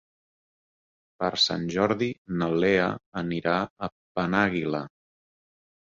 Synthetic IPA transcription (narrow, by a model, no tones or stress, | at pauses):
pəɾsa̰nʲʒɔɾðinəleə̰əniɾaə | pənaɣilə